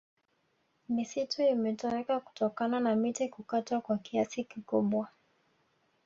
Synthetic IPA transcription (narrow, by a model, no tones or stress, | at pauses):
misituimɛtɔɾɛkaku̥tɔkananamitikukatwakwakiasikikuɓwa